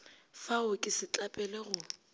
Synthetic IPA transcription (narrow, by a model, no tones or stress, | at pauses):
faʊkʼɪsɪt͡ɬʼapʼɛlɛɣʊ